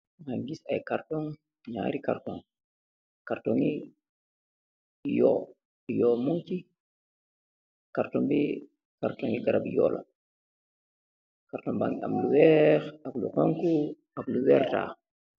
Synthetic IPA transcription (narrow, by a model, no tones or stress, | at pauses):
ŋaŋɡisajkartoŋ | ɲa̰ːɾika̰rtoŋ | kartoŋi | jɔ | jomuŋki | kaɾtɔmbi | kaɾtɔŋiɡaɾabjɔ̰ːla̰ | kaɾtoŋbaŋa̰mluwɛɾablṵqoŋku | abluwɛɾta̰ː